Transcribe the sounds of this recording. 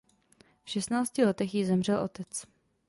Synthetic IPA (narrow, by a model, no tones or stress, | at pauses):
fʃɛst̪naːt͡scɪlɛt̪ɛxjɪzɛmr̝ɛlʔo̞̰t̪ɛt͡s